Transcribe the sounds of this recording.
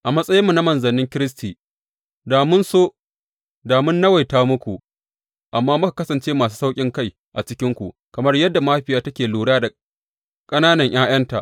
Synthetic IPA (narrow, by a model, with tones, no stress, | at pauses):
ʔa˨mɐ˦sʼɐ˦jɪ˦mːu˨na˦mɐ˨nzɐ˨nɪ˦ŋkʲɪ˦ɾɪ˦s̬tiː˨ | daː˨mʊ˦nsoː˦ | daː˨mʊ˦nːɐ˦wa˨jtaː˦mʊ˦kʷu˨ʔ | ʔa˨mːaː˦mʊ˦ka˨kɐ˦sɐ˨nt͡ʃeː˦maː˨s̬u̥ː˦sa˦wkʲʼɪ˦ŋka˦˨j | ʔa˨t͡ʃɪ˦kʲɪ˦ŋkʷṵ˨ | kɐ˨mɐ˦rjɐ˦dːa˨maː˦ɸɪ˨jaː˦tɐ˦kʲeː˨luː˨ɽaː˦da˨ | kʼɐ˦naː˦nɐ˨ɲj̰aː˦j̰ɐ˦nta̰˨ʔ